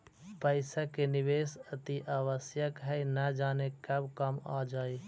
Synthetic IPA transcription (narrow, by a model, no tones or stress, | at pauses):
pəɪsakenɪʋeːsɐt̪iʔaːʋəsjəkɦɛinad͡ʒaːnekɐbkɐma̰ːd͡ʒaːeː